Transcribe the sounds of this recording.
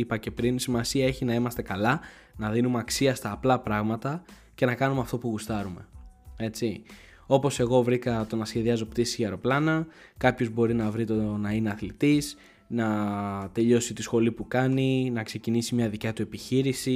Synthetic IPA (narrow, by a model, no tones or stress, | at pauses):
ipɐce̞pɾinsimɐsiɐe̞çinɐimɐst̪e̞kɐlɐ | nɐðinumeɐksiɐst̪ɐːplɐpɾɐɣmɐt̪ɐ | ce̞nɐkɐnumeɐft̪o̞puɣust̪ɐɾume̞e̞t͡si | o̞po̞se̞ɣo̞vɾikɐt̪o̞nɐsçe̞ðiɐzo̞pt̪isiɐɾo̞plɐnɐkɐpço̞zbo̞ɾinɐvɾit̪onɐineɐθlit̪is | nɐt̪e̞ʎo̞sit̪isxo̞lipukɐninɐkse̞cinisimɲɐðicɐt̪ue̞piçiɾisi